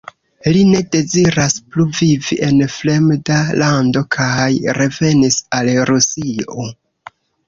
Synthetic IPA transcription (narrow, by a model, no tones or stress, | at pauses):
line̞de̞ziɾaspluviviʔe̞nfle̞mdalando̞kʰajɾe̞ve̞nisalɾusio̰